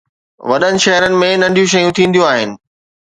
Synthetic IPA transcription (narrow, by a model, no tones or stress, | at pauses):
ʋɐɗənɪ̆ʃɐɦɾənɪ̆mẽnɐ̃ɳɖʱijũʃ̬ɐjũt̪ʰĩːn̆d̪ijoaːɦɪ̰nɪ̆